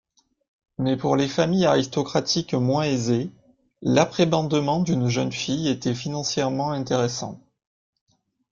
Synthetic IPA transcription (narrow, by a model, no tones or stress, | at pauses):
mɛpuʁlefamijaʁist̪ɔkχat̪ikmwɛ̃eze | lapχebɑ̃d̪əmɑ̃d̪ynʒənfijet̪ɛfinɑ̃sjɛʁmɑ̃ɛ̃t̪eʁesɑ̰̃t̪